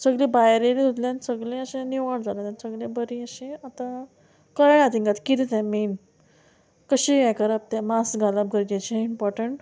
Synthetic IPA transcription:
səɡlibajɾelit̪ʰut̪ljãnsəɡlẽəɕẽniʋaɽd͡zalat̪ãnsəɡɭẽbəɾiəɕẽat̪a | kəɾɳat̪iŋɡat̪kit̪it̪ɛ̃min | kəɕiʋɛ̃kəɾap̚t̪ɛ̃masɡʱalap̚ɡəɾɡat͡ɕiimpɔɾʈəɳʈ

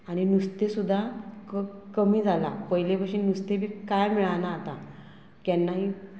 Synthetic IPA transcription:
aɽ̃inust̪esud̪ʱːakkəmiːd͡zala̰pəɦjlepəɕiːnust̪ebʱiːkajmiɭanaːt̪a | kɛnːaɦi

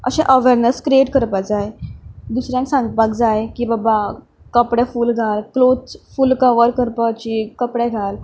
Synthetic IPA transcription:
ə̰ɕɛ̃ʔəʋeɾnəskɾieʈkəɾpad͡zajd̪usɾjãnsãŋɡ̚pak̚d͡zajkibaba | kəpɽɛfuːlɡʱalklot͡sfulkəʋəɾkəɾpat͡ɕikəpɽɛɡʱal

